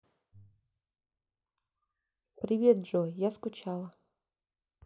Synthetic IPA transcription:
pɾʲɪvʲet̪ʐojaskʊt͡ɕalˠə

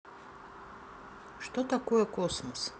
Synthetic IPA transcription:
ʃt̪ot̪akojekosmos

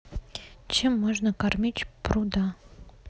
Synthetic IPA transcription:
t͡ɕemːoʐnəkɑrmʲit͡ɕpɾud̪ɑ

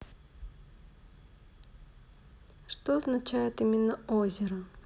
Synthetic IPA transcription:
ʂt̪oɐznɐt͡ɕæjɪt̪imʲɪnːəozʲɪɾə

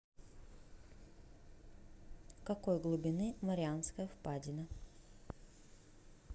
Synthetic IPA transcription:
kɐkojɡlˠʊbʲɪnɨmɐɾʲɪanskəjəfpadʲɪnə

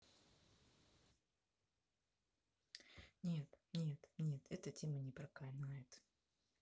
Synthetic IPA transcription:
nʲet̪nʲet̪nʲe̞t̪ʰɛt̪ətʲe̞mənʲɪpɾɐkanajɪt̪

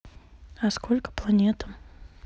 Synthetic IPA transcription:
askolʲkə̥plˠanʲet̪əm

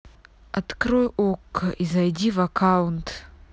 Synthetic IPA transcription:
atkrojʔokʰːaʔizajdʲivakʰawntʰ

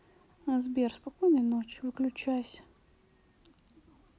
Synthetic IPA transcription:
ɐzbʲerspakɔjnəjnot͡ɕʲvɨklʲʉt͡ɕajsʲə̥

